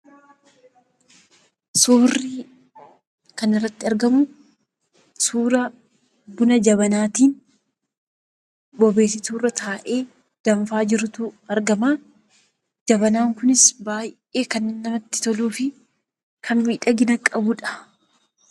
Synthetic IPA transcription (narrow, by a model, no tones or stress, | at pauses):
suːrːi | kɐnɪrːɐt̪ːɪɐɾɡɐmʊ | suːɾɐ | bʊnɐd͡ʒɐβɐnaːt̪iːn | bɔbe̞ːsɪt̪uːrɐt̪aːʔe̞ː | d̪̥ɐɱfaːd͡ʒɪɾʊt̪ʊɐɾɡɐmaː | d͡ʒɐbɐnaːŋkʊnɪsbaːj | e̞ːkɐnnːɐmɐt̪ːɪ̥t̪ɔluːfɪ | kʰɐnmiːᶑɐɡɪnɐkʼɐbʊᶑɐ̥